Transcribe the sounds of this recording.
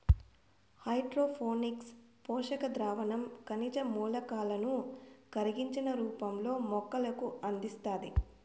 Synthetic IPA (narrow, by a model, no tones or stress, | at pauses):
hɐjʈɾoːpʰoːnikspɔːʂɐkɐd̪ɾaːʋɐnɐmkɐnid͡ʒɐmuːlɐkaːlɐnukɐɾiɡiɲt͡ʃinɐɾuːpɐmlo̞ːmɔkːɐlɐkuɐnd̪ist̪aːd̪i